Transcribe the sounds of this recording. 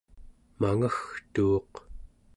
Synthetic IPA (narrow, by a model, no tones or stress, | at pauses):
maŋaxt̪uːq